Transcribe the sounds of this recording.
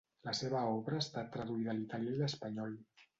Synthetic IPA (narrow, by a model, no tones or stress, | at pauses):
ləseβəɔβɾəːst̪at̪ːɾəðuiðəlit̪aljəiləspaɲɔl